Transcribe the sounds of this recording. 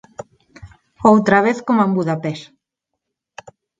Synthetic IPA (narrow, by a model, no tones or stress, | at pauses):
owt̪ɾaβ̞eθkomambuðapes